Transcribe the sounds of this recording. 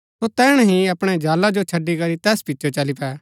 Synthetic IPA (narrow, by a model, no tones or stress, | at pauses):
sot̪ɛːɽ̃ɦĩɐpɽ̃ɛd͡ʒaːlad͡ʒot͡ʃʰɐɖːikɐɾit̪ɛːspɪtːt͡ʃʰot͡ʃɐlipʰɛː